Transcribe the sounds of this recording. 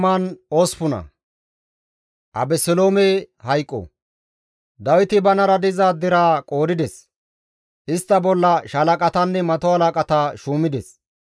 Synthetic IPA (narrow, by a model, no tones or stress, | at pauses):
maːnoːspʊnɐ̰ | ʔɐ̰bɛsɛloːmehɐjkʼːɔ̰ | d̪ɐwɪt̪ɪbɐnɐɾɐd̪ɪzaːd̪ɪɾaːkʼo̞ːd̪ɪd̪ɛs | ʔɪst̪ːɐbɔlːɐʃɐlɐkʼɐt̪ɐnːɛmɐt̪ɔhɐlakʼɐt̪aːʃuːmɪd̪ɛs